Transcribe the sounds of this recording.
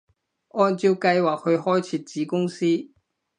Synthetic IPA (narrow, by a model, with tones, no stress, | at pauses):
ɔ˥˧nt͡ɕjo˥˧ka˥jwa˨˩ho˧xɔ˥jt͡ɕʰi˨˩t͡ɕi˨˦kʊ˥ŋsi˥